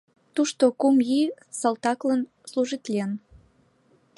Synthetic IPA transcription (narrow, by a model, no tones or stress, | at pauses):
t̪uʃt̪okumji | solt̪ɑklən | sluʒit̪lʲen